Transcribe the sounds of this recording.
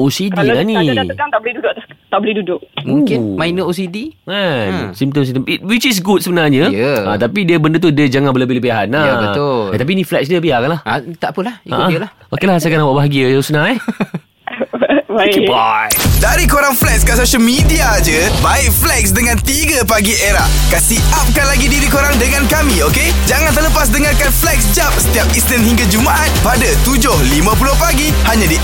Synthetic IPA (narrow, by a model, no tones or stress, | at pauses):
osidilaniak̪aŋt̪aʔbolihdudʊʔt̪t̪aʔbolihdudʊʔmũŋkɪnmãjnəos̬idimansimt̪əmsit̪əmit̚wit͡ʃis̬ɡud̚səbənarɲəəʔat̪apidiəbəndət̪̬udəd͡ʒaŋanbələbɪhləbiaɦanaəʊət̪ap̬iːniflɛksdiəpiakanlahat̪aʔpəlahika̰ʔadilah | okilahsakanawaʔbaɦaɡiəjsənaɛ | kbadaɾikoɾaŋflɛkskasoʃəlmidiad͡ʒəbaɪʔ̚flɛksdəŋãnt̪iɡəpaɡieɾaʔ | kasiʔʔap̚kanlaɡidiɾikoɾaŋdəŋãnkamĩoke | d͡ʒaŋant̪ərləpas̬dəŋarkanflɛk̚sd͡ʒap̚sə̥t̪iap̚islənhiŋɡad͡ʒumaʔat̪̚padat̪ud͡ʒʊhlimãpulʊhpaɡi | haɲadi